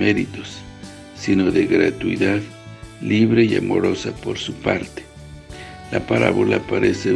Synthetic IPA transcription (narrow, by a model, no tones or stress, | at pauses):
eɾit̪osː | inoðeɣɾat̪uiðað | liβɾeia̰mo̞ɾo̞sapo̞ɾsupaɾt̪e̥ | lapaɾa̰βolapaɾese